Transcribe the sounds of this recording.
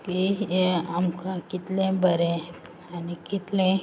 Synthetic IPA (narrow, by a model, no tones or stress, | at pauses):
ki | amkakɪt̪lẽbəɾẽ | anikɪt̪lẽ